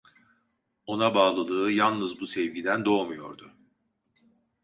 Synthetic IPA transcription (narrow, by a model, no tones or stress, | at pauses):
o̞nabaːlˠɯlˠɯːjalˠnɯzbusɛvɟid̪ænd̪o̞ːmujo̞̰ɾd̪ʊ